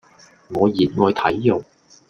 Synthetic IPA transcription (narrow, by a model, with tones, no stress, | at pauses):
ŋɔː˨˧jiː˨˩t̚ŋɔː˨˧jt̪ʰɐ˨˥jjʊ˨˩ŋ